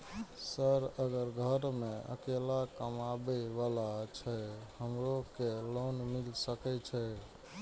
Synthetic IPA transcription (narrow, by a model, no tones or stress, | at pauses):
səɾəɡəɾɡʱəɾmeə̰kelakəmabɛʋalat͡ʃʰɛhəmɾokelonmilsəkɛt͡ʃʰɛ